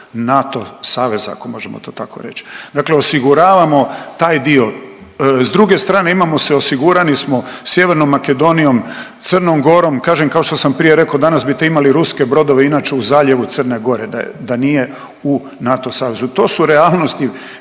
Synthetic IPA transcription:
nat̪osaːʋe̞zaa̰komo̞ʒemo̰t̪oːt̪ako̞̰ɾe̞t͡ʃd̪akle̞o̞siɡuɾaːʋamo̞t̪aːjd̪io̞ | zd̪ɾuɡe̞st̪ɾaːne̞imamo̞seo̞siɡuɾanismo̞sje̞ʋe̞ɾnomːake̞d̪o̞nijo̞mt̪sərnomɡo̞ɾo̞mkaːʒemkao̞ʃt̪osampɾije̞ɾe̞kood̪anasbit̪eimaliɾuske̞bɾo̞d̪o̞ʋeinaːt͡ʃeuzaːʎe̞ʋut̪sərneɡo̞ɾed̪a̰d̪anije̞ | u | nat̪o̞saːʋe̞zut̪o̞ːsuɾeaːlˠno̞st̪i

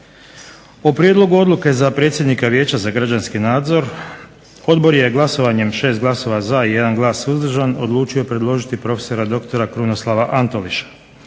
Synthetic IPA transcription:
opɾje̞d̪lˠo̞ɡuo̞d̪luke̞zapɾet̪sʲje̞d̪nikaʋje̞ːt͡ɕazaɡɾad͡ʑanskinaːd̪zo̞ɾ | o̞d̪bo̞ɾje̞ɡlˠaso̞ʋaɲe̞mʃe̞ːst̪ɡlˠaso̞ʋazaije̞d̪anɡlˠaːsuzd̪r̩ʒano̞̰d̪lˠuːt͡ʃijopɾe̞d̪lˠo̞ʒit̪ipɾo̞feso̞ɾad̪o̞kt̪o̞ɾakɾuno̞slˠaʋaʔant̪o̞liʃḁ

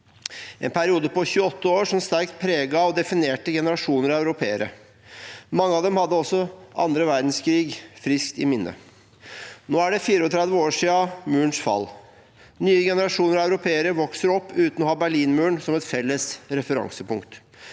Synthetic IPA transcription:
ɛ̰npʰæɾɪuːd̪əpɔçʉːəɔt̪ːəoːɾʂɔmst̪æɾk̚t̪̚pʰɾeːɡɑɔd̪ɛfɪneːʈəɡɛnəɾɑʂuːnəɾɑʉɾʊpʰeːəɾə̰ | mɑŋːəɑːʋd̪ɛmhɑd̪ːəɔsːɔʔɑ̰nd̪ɾəʋæɾd̪n̩skʰɾiːɡfɾɪskt̪ɪmɪnːə̰ | noːæɖɛfiːɾəɔt̪ʰɾɛd̪ʋəoːʂiːɑmʉːɳʂfɑ̰lː | nyːəɡɛnəɾɑʂuːnəɾɑʉɾʊpʰeːəɾəʋɔksəɾɔpːʉːt̪nɔhɑːbæɭiːnmʉːɳsɔmɛt̪fɛlːəsɾɛfəɾɑ̰ŋsəpʊŋkt̪

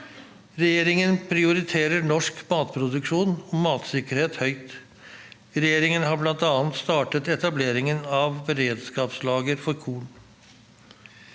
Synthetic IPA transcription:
ɾɛjeːɾɪŋənpʰɾɪʊɾɪt̪ʰeːɾəɳɔʂkmɑːt̪pʰɾʊd̪ʉkʂuːnɔmɑːt̪sɪkəɾheːt̪hœʏt̪ | ɾɛjeːɾɪŋənhɑblɑnt̪ɑːnt̪st̪ɑːʈət̪ɛt̪ɑbleːɾɪŋənɑʋbɛɾeːd̪skɑːpslɑːɡəɾfɔɾkʰuːɳ

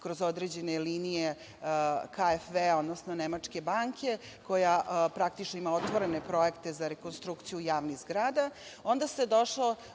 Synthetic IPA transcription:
kɾo̞zo̞d̪ɾed͡ʑe̞neliːnije | kaefveo̞d̪nosnonemat͡ʂke̞baːŋkʰʲe̞ | ko̞japɾak̚t̪it͡ʃnoimaot̪ʋo̞ɾe̞ne̞pɾo̞ekt̪e̞zaɾeko̞nst̪ɾukt̪sijujaːʋnizɡɾaːd̪ao̞nd̪ased̪o̞ʃlo

